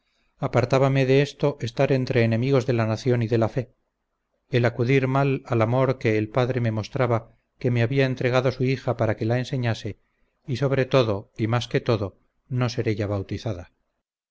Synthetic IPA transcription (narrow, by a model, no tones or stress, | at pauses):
apaɾt̪aβame̞ðe̞est̪o̞ʔe̞st̪aɾe̞nt̪ɾe̞ːne̞miɣ̞o̞zðe̞lanaθjo̞niðe̞lafe̞ | elakuðiɾmalalamo̞ɾke̞ːlpaðɾe̞me̞mo̞st̪ɾaβa | ke̞meaβiaent̪ɾe̞ɣ̞aðo̞suixapaɾake̞lae̞nse̞ɲase̞ | iso̞βɾe̞t̪o̞ðo̞imaske̞t̪o̞ðo̞ | no̞se̞ɾe̞ʝaβ̞awt̪iθaða